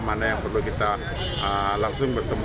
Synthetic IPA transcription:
manajaŋpərlukit̪a | əlaŋsʊŋbərt̪əm

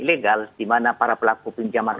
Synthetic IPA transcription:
ileɡaldimanapaɾapəlakupiɲd͡ʒaman

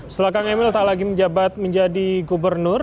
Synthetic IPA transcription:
səlakaŋemɪlt̪alaɡiməɲd͡ʒabat̪̚məɲd͡ʒadiɡubərnʊr

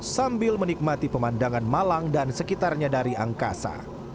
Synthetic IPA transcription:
sambɪlmənik̚mat̪ipəmandaŋanmalaŋdansəkit̪arɲadaɾiʔaŋka̰sa̰

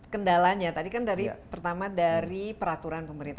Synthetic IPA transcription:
kəndalaɲat̪adikandaɾipərt̪amadaɾipəɾat̪uɾanpəməɾint̪

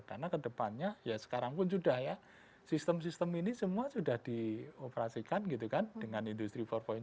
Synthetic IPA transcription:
karnakədəpanɲajasə̥kaɾaŋpʊnsudahja | sist̪əmsist̪əminisəmuasudahd̥iopəɾasikanɡit̪ukand̥əŋanind̪ust̪ɾipɔrfɔ

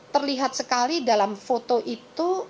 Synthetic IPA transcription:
t̪ərliɦat̪̚səkalidalamfot̪oʔit̪u

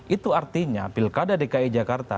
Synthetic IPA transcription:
ʔit̪uart̪iɲapilkadadikaid͡ʒakart̪a̰

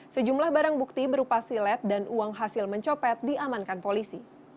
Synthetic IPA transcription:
səd͡ʒumlahbaɾaŋbuk̚t̪ibəɾupasilɛt̪̚danʔuaŋɦasɪlməɲt͡ʃopɛt̪̚diamankanpolisi

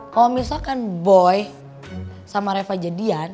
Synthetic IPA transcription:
kalomisalkanbɔj | samaɾefad͡ʒadian

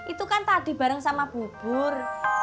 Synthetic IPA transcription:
ʔit̪ukant̪ad̥i̤b̥ä̤ɾəŋsamab̥ub̥ʊr

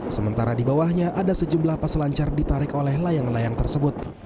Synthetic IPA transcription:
səmənt̪aɾadibawahɲaʔadasəd͡ʒumblahpaslaɲt͡ʃardit̪aɾɪkolɛhlajaŋlajaŋt̪ərsəbʊt̪̚

